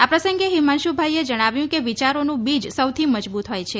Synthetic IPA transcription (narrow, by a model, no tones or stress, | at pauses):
apɾəsəŋɡeɦimanʃubʱajed͡ʒəɽ̃aʋjũkeʋit͡ʃaɾonũbid͡ʒsəwt̪ʰiməd͡ʒbut̪ɦojt͡ʃʰe